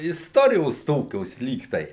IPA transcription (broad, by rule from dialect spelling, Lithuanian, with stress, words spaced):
ɪsˈtoːrʲɪjoːs ˈtoːkʲoːs ˈlʲiːk tɐɪ